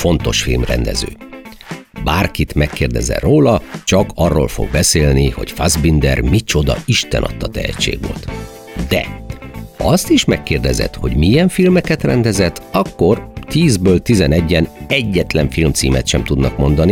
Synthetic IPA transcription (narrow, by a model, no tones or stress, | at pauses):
fo̞nt̪o̞ʃfilmrɛ̰nd̪ɛ̰zø̰ː | baːrkit̪mɛkːeːrd̪ɛzɛ̰roːlɒt͡ʃɒkɒrːo̰ːlfo̞̰ɡ̚bɛseːlniho̞̰cfazbind̪ɛrmit͡ʃo̞d̪ɒ̰iʃt̪ɛ̰nɒ̰t̪ːɒt̪ɛhɛ̰t͡ʃːḛːɡʋolt̪ | d̪ɛ̰hɒst̪iʃmɛkːeːrd̪ɛzɛ̰t̪ho̞ɟmijɛɱfilmɛkɛt̪rɛnd̪ɛzɛt̪ːɒkːo̞rt̪iːzbøːlt̪izɛnɛɟːɛnɛɟːɛt̪lɛɱfilmt̪siːmɛt̪ʃɛmt̪ud̪nɒkmo̞nd̪ɒni